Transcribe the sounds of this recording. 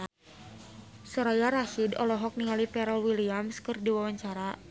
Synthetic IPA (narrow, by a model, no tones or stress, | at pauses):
sɔɾajaɾaʃidɔ̰lɔɦɔk̚niŋalipɛɾalwiliamskɨrdiwawaɲt͡ʃaɾa